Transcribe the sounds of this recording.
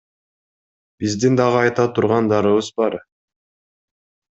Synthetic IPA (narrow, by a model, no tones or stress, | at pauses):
b̥izd̪ind̪ɑʁɯɑjt̪ɑt̪ʰuɾʁɑnd̪ɑɾɯβɯzbɑɾ